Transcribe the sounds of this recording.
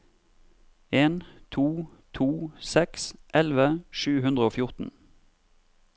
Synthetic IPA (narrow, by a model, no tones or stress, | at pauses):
eːnt̪ʰuːt̪ʰuːsɛksʔɛlʋəʃʉːhʉnd̪ʁəoːfjʊʁt̪n̩